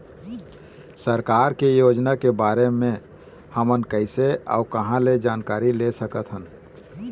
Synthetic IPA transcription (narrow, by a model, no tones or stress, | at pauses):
səɾkaːɾkejoːd͡ʒnakebaːɾemẽ | həmənkəɪsea̰ːʊkəɦãled͡ʒaːnkaːɾilesəkət̪ɦən